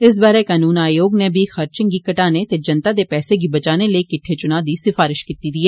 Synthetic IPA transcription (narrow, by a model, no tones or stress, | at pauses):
ɪs̬baːɾekaːnuːnaːjoːɡnebʱixɐɾt͡ʃɪ̃ŋɡikɐʈaːnet̪ed͡ʒɐnt̪ad̪epɛːseɡibɐt͡ʃaːnelekɪʈʰːet͡ʃʊnaːd̪isɪfaːɾɪʃkit̪id̪ieː